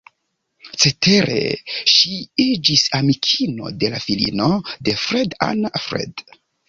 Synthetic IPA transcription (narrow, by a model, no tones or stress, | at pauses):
t͡se̞te̞ɾe̞̰ʃiid͡ʒisamikʰino̞̰de̞lafilḭnode̞fɾeda̰nfɾḛd